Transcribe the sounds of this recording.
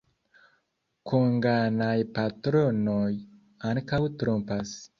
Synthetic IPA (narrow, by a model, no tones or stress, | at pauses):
kʰoŋɡanajpatɾonoj | aŋkawtɾompas